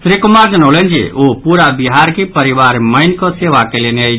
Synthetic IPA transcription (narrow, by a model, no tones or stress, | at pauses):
sɾikumad͡ʒənəʊlənd͡ʒḛopuɾabiɦaɾkipəɾiʋaɾməɪnkɔseʋakeleneəj